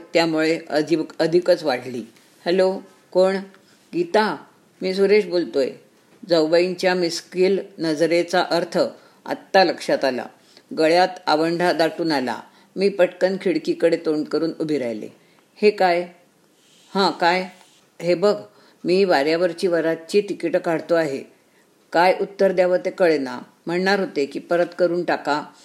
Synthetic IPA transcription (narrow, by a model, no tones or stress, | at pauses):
t̪jamuɭeəiəd̪ʱikət͡sʋaɽliː | hɛlo | koɳ | ɡit̪a | miːsuɾeɕbolt̪ojḛ | d͡zəwʋəiɲt͡ɕjamiskiːlnəd͡zɾet͡saʔəɾt̪ʰə | a̰t̪ːaləkʂat̪ala̰ | ɡəɭjat̪aʋəɳɖʱad̪aʈuːnala̰ | miːpəʈkənkʰiɽkikəɽet̪oɳkəɾuːnubʱiɾa̰jlḛ | hekaj | hãkaj | ɦebəɡʱ | miːʋaɾjaʋəɾt͡ɕiːʋəɾat͡ɕiːt̪ikiʈkaɽt̪oaɦḛ | kajʔut̪ːəɾd̪jaʋət̪ekəɭena̰ | m̤əɳɳaɾɦot̪ekiːpəɾət̪kəɾuːnʈaka